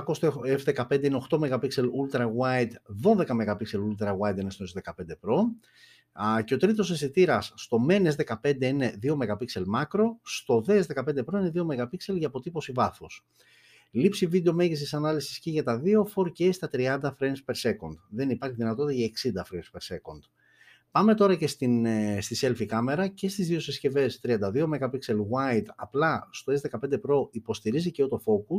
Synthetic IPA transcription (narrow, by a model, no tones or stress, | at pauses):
kost̪eefðe̞kɐpe̞nd̪eineo̞xt̪o̞me̞ɣɐpikse̞lult̪ɾɐɣwajt̪ðo̞ðe̞kɐmeɣɐpikse̞lult̪ɾɐɣwajt̪inest̪oezðe̞kɐpnd̪epɾo̞ | ce̞o̞t̪ɾit̪o̞sesit̪iɾɐsːt̪o̞me̞nezðe̞kɐpe̞nd̪e̞ine̞ðio̞me̞ɣɐpikse̞lmɐkɾo̞st̪o̞ðezðe̞kɐpe̞nd̪epɾo̞ine̞ðio̞me̞ɣɐpikse̞lʝɐpo̞t̪ipo̞sivɐθos | lipsivid̪eome̞ʝis̬isɐnɐlisi̥sceʝɐt̪ɐðio̞fo̞ɾceest̪ɐt̪ɾiɐnd̪ɐfɾenspe̞ɾse̞ko̞nd̪ðe̞nipɐɾçiðinɐt̪ot̪it̪ɐʝɐeksind̪ɐfɾenspeɾse̞kond̪ | pɐme̞t̪o̞ɾɐce̞st̪inst̪ise̞lfikɐme̞ɾɐce̞st̪izðio̞sesce̞ve̞st̪ɾiɐnd̪ɐðio̞me̞ɣɐpikse̞lɣwɐjt̪ɐplɐst̪o̞ezðe̞kɐpend̪epɾo̞ipo̞st̪iɾiziceot̪o̞fo̞kus